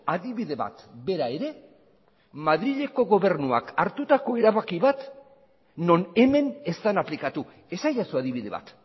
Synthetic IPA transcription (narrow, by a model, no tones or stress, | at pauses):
aðiβiðe̞βa̰t̪be̞ɾae̞ɾe̞ | maðɾiʎe̞ko̞ɣo̞β̞e̞rnua̰kaɾt̪ut̪ako̞e̞ɾaβakiβat̪ | no̞ne̞me̞ne̞st̪anaplikat̪u | e̞sajasuaðiβið̞e̞βa̰t̪